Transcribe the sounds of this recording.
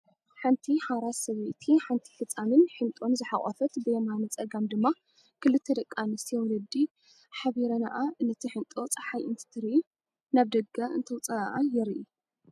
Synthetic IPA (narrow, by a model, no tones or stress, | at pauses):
ħant̪ʰiħaɾasɐβet̪ʰiħant̪ʰi̥fɨt͡sʼːamɨnħɨnt̪ʼo̞mzɨħaχʼɐ̰fɐt̪bɨjɛmanɐt͡sʼɐɡamd̪ɨmːa | kʰɨlɨt̪ʰːɐd̪ɐkʼːanɨsijɛwɔlɐd̪i | ħaβiɾɐna̰ʔaɨnːɐt̪ʰiħɨnt̪ʼo̞t͡sʼɐħajɨnt̪ʰɨ̥t̪ʰɨɾiu | naβd̪ɐɡaʔɨ̰nt̪ʰɐwt͡sʼɐaʔajɪɾʔi